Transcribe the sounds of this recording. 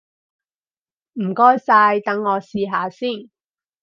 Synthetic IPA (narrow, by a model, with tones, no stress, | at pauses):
m̩ː˨˩kɔː˥jsaː˧jt̪ɐ˨˥ŋːɔː˨˧siː˧ɦaː˨˧siː˥˩n